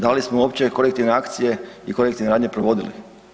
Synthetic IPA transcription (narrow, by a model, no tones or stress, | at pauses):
d̪alismouo̞ːpt͡ɕe̞ko̞ɾekt̪iʋneakt̪sije̞iko̞ɾek̚t̪iʋneɾaːd̪ɲepɾoʋo̞d̪ilḭ